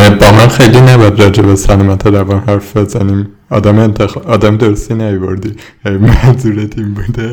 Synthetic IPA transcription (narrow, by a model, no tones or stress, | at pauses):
bɒmænxejlinæbd̪ɾɒːd͡ʒebesænɑmæt̪ʰeɾævɒnhæɾfbezænim | ɒːd̪æmnt̪ʰexɒːd̪æmd̪oɾst̪inæjvoɾd̪i | mæzuɾet̪ʰimbud̪e